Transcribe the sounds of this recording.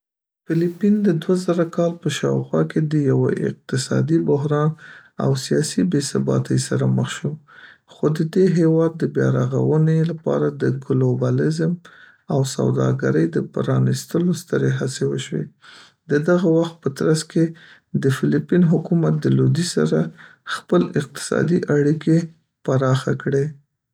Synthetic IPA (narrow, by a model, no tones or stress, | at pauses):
fɪlipind̪əd̪wazaɾakɑlpəʃɑwxwɑked̪əjawa̰ʔɪ̰q̚t̪ɪsɑ̰d̪ibʊɦɾɑna̰wsijɑsibesabɑ̰t̪ʰəjsaɾaməxʃum | xod̪əd̪eɦewɑd̪ːəbjɑɾaɣa̰wənelapɑ̰ɾad̪əɡlobɑlɪzm | awsa̰wd̪ɑ̰ɡaɾəjd̪əpəɾɑnist̪əlost̪əɾeɦasewəʃwḛ | d̪əd̪aɣawaxt̪̚pət̪ɾaske | d̪əfɪlipinɦʊkumat̪̚d̪əlod̪isa̰ɾaxpəlɪq̚t̪ɪ̥sɑ̰d̪iʔaɽike | paɾɑxakɽe